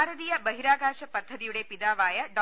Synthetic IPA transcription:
ɾɐd̪iːjɐbɐɦiɾaːɡʱaːʃɐpɐt̪ʰːɐd̪iʋɽeːpid̪aːʋaːjɐɖɔ

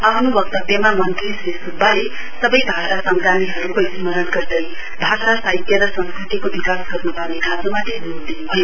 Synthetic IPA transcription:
ʌpʰnubʌk̚t̪ʌbjʌmamʌnt̪ɾisɾesubːale | sʌbʌjbʱasasʌŋɡɾaniɦʌɾukoismʌɾʌnɡʌrd̪ʌj | bʱasasait̪jʌɾʌsʌnskɾit̪ikobikasɡʌrnupʌwnekʰad͡zomat̪edud̪inubʱʌjo

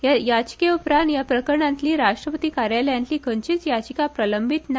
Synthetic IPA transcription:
jajad͡ʑ̥keupɾanjapɾəkəɾɳãnt̪liːɾaʂʈɾəpət̪iːkaɾjaləjãniːkʰənt͡ɕiːt͡sjad͡ʑkapɾələmbʱit̪na

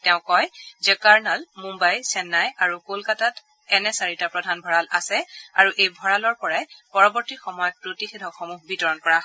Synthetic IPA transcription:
tɛʊ̃kɔjzɛkaɹnalmumbajsɛnːajaɹukolkatat | ɛnɛsaɹitapɹɔdʱanbʱɔɹalʔa̰sɛaɹuʔejbʱɔɹalɔɹpɔɹajpɔɹɔbɔɹtixɔmɔjɔpɹotixedʱɔxɔmuɦbitɔɹɔnkɔɹaɦ

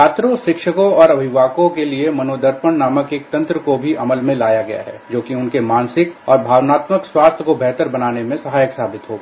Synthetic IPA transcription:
aːt̪ɾõʃɪkʃəkõɔːɾɐbʱɪʋaːkõkeliemɐnoːd̪əɾpəɳnaːməkeːk̚t̪ɐ̃nt̪ɾəkobʱiʔɐməlmẽlaːjaɡɐja̰ɦɛ̰ːd͡ʒoːkiʊnkemãːnsɪkɔːɾbʱaːʋnaːt̪məkswaːst̪ʰəkobɛɦt̪əɾbɐnaːnemẽsɐɦaːjəksaːbɪt̪ɦoːɡa̰

